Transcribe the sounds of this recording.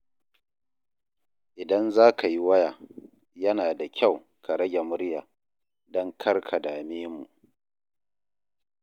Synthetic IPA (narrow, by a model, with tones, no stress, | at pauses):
ʔɪ˨dɐ˦nzaː˦ka˨ji˦wɐ˦jaː˨ | jɐ˦naː˨da˨kʲʰa˦˨w | kʰa˨ɾɐ˦ɡʲe˨mʊ˦ɾjaː˨ | dɔ˦ŋkʰɐ˦rkʰa˨daː˨meː˦mṵ˨ʔ